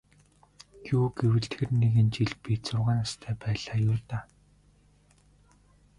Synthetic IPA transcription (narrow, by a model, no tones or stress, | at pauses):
ɡuːɡewɘ̆ɬt̪xɘ̆rneɣɘ̆nt͡ɕiɮpit̪sʊrʁæːnast̪ʰœːpæːɮaːjʊːt̪aː